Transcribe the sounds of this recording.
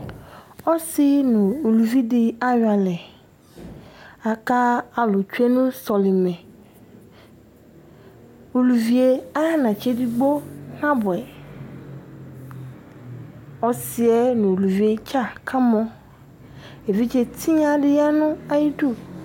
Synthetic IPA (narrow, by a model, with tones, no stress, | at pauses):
ɔ˦sɪ˦nʊ̃˨o˨lu˨vi˦dɪ˦a˦ɲ˨a˨lɛ˨ | a˨ka˦a˨lʊ˨t͡ʃu˦e˦nʊ̃˦sɔ˨lɪ˨mɛ̃˨ | o˨lu˨vi˨e˦a˦nã˨t͡ʃe˦di˨ɡ͡bo˦nã˦bʊ˨ɛ˨ | ɔ˦sɪ˦ɛ˦nʊ̃˨o˨lu˨vi˨˦e˦t͡ʃa˦kʰa˦mɔ̃˦ | e˨vi˦t͡ʃe˦t̪ʰi˦ɲã˦dɪ˦ja˦nʊ̃˦a˦ji˦du˦˨